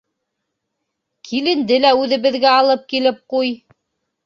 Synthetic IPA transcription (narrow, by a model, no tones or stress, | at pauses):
kʰilɘ̆nd̪ɘlæʉðɘ̆βɘ̆ðɡæɑlˠɤp̚kilɘp̚quj